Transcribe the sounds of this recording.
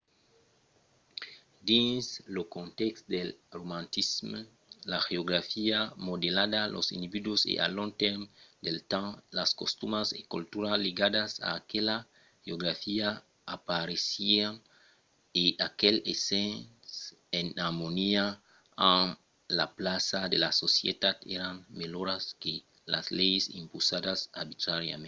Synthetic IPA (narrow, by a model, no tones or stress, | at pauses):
d̪ĩnslokõnt̪ekst̪d̪elromãnt̪ism | laxeoɡɾafiamod̪elad̪alo̰sḭnd̪ibid̪wosḛʔa̰lõŋt̪eɾmd̪elt̪ãlaskost̪umasekult̪uɾalːiɡad̪asa̰ːkela | xeoɣɾafia | apaɾesian | eʔakelesẽns | enaɾmonia | ãn | laplasad̪elasosjḛt̪at̪ḛɾanmeloɾaske | la̰slejesḭ̃mpusadasaɾbit̪ɾaɾja̰mẽ